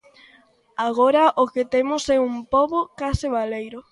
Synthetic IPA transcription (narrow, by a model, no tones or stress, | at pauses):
aɣ̞oɾɐʔokɪt̪emʊsɛumpoβokasɪβalejɾʊ